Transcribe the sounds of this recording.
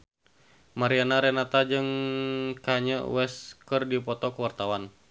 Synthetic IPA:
maɾianaɾɛnat̪ad͡ʒɨŋkaɲə̰wɛskərdipɔt̪ɔkəwart̪awan

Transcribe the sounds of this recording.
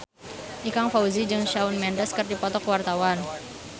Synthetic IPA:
ʔikaŋfauzid͡ʒɨŋʃaunmɛndəskərdipɔt̪ɔkwart̪awan

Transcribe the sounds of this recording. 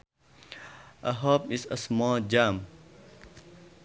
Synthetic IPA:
ɐ̰ɦoːpisɐsmoːd͡ʑaːm

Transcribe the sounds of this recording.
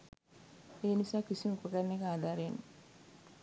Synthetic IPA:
eːnisaːkisiməkoʈanːeɡəaːd̪aːɾeenː

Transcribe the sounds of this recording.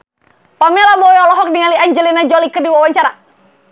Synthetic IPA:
pamɛlabɔjɔlɔɦɔk̚diŋaliaɲd͡ʒɛlinad͡ʒɔlikɨrdiwawaɲt͡ʃaɾa

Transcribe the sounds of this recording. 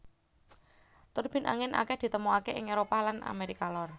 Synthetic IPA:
t̪ʊrb̥i̤na̰ŋɪnʔa̰kɛhd̪̥i̤t̪əmuakeʔɪŋeɾopalana̰meɾikalɔr

